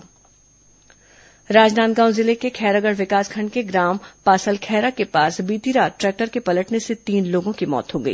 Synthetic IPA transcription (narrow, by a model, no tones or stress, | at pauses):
ɾaːd͡ʒnaːt̪ɡãːʊ̃zɪlekekʰɛːɾaɡəɽʋɪkaːskʰɐ̃ɳɖkeɡɾaːmpaːsəlkʰɛːɾakepaːsbiːt̪iɾaːʈɾɛːk̚ʈəɾkepɐləʈneset̪iːnloːɡõkimɔ̰ːt̪ɦoɡəḭː